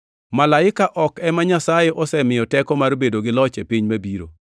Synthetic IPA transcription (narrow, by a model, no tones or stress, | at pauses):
malaɪkaʔɔkɛmaɲasajeʔɔsɛmɪjɔtɛkɔmarbedoɡɪlɔt͡ʃepiɲmabiɾo̰